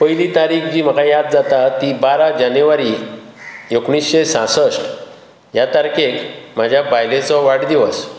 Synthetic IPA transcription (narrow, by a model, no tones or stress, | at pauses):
pəjlit̪aɾiːkd͡ʑiːm̤əkajad̪̚d͡zat̪at̪ibaɾad͡ʑanjuʋaɾi | ekɳisɕesãsəʂʈ | jat̪aɾkekm̤ad͡ʑʱjabajlẽt͡sɔʋaʈd̪iʋəs